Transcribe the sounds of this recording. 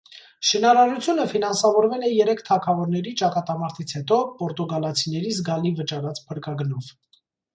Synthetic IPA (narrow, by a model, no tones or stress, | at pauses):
ʃinɑɾɑɾut͡sʰjunəfinɑnsɑvɔɾvɛlɛjɛɾɛkʰt̪ʰɑkʰɑvɔɾnɛɾit͡ʃɑkɑt̪ɑmɑɾt̪ʰit͡sʰhɛt̪ɔpɔɾt̪uɡɑlɑt͡sʰinɛɾizɡɑlivət͡ʃɑɾɑt͡spʰəɾkɑɡnɔv̥